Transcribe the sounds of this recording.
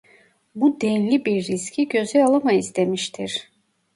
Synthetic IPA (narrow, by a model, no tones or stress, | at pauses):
bud̪enlʲibiɾːiscʰiɟø̞zɛalˠamaisd̪e̞miʃt̪ʰiɾ̥